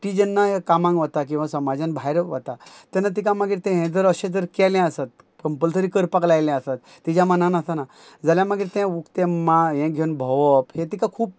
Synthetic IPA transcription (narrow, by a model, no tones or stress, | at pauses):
ʈid͡ʑənːaɦekamãŋɡʋət̪ak̬ĩw̃ʋasəmad͡ʑãnbʱajɾʋə̰t̪at̪ɛ̃nat̪̬ikaməɡiːɾt̪ɛ̃ɦɛ̃d͡zəɾəɕẽd͡zəɾkɛlɛ̃əsat̪̚ | kəmpəlt̪əɾikəɾpaklajlɛ̃əsat̪ːid͡ʑjamənanast̪ana | d͡zaljaməɡiːɾt̪ɛ̃ukt̪ẽmaɦɛ̃ɡʱeunbʱəʋəphẽt̪ikakʰuːp̚